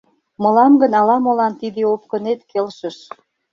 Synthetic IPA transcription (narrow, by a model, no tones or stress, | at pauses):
mɤ̆lɑmɡə̆nɑlɑmolɑnt̪id̪eop̚kə̆net̪kelʃə̆ʃ